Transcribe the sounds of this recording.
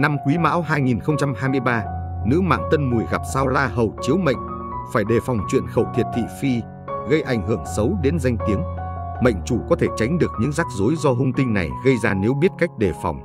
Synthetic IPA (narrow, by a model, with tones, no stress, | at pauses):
na˧mkwi˨˦ma̰ː˧˥wɦaː˧jŋi˨˩nxə˧wŋ͡mt͡ɕa˧mɦaː˧jmɨ˧əjɓaː˧nɨ̰˧˥ma̰ː˧˨ŋt̪ə˧nmu˨˩jɣa˨˩p̚saː˧wzaː˧ɦə˨˩wt͡ɕi˨˦əwmə̰˧˨jŋ̟ | faː˧˩jɗe˨˩fɔ˨˩wŋ͡mt͡ɕwḭ˧˨ənxə˧˩wt̪ʰi˨˩ət̚t̪ʰḭ˧˨fi˧ | ɣə˧jʔa˧˩jŋ̟ɦɨ˧˩əŋsə˨˦wɗe˨˦nza˧jŋ̟t̪i˨˦əŋmə̰˧˨jŋ̟t͡ɕu˧˩kɔ˨˦t̪ʰe˧˩t͡ɕa˨˦jŋ̟ɗɨ˨˩ək̚ɲɨ̰˧˥ŋzaː˦˥k̚zo˨˦jzɔ˧ɦʊ˧ŋ͡mt̪ï˧ŋ̟na̰˨˩jɣə˧jzaː˧ne˨˦wɓi˦˥ət̚ka˦˥jk̟̚ɗe˨˩fa̰˨˩wŋ͡m